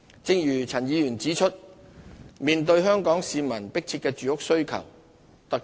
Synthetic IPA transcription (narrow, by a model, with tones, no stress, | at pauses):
t͡sɪ˧ŋjyː˨˩t͡sʰɐ˨˩njiː˨˧jyː˨˩nt͡siː˨˥t͡ʃʰɵ˥t̚ | miː˨nt̪ɵ˧ɥɦœː˥ŋkɔː˨˥ŋsiː˨˧mɐ˨˩npɪ˥k̚t͡sʰi˧t̚kːɛː˧t͡ʃyː˨˧ʊ˥k̚sɵ˥ɥkʰɐ̰˨˩w | t̪ɐ˨k̚